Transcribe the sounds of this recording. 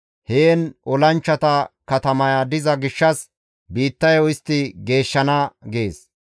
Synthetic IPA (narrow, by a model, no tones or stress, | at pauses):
heːnʔɔlɐnt͡ʃːɐt̪ɐkɐt̪ɐmɐjad̪ɪzɐɡɪʃːɐs | biːt̪ːɐjɔɪst̪ːɪɡe̞ːʃːɐnɐɡeːs